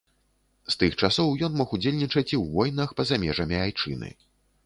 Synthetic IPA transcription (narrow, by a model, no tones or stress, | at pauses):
st̪ɨxt͡ʂasɔwjɔnmɔxud͡zʲelʲnʲit͡ʂɐt͡sʲiwvɔjnɐxpɐzamʲɛʐɐmʲiajt͡ʂɨ̰nɨ̰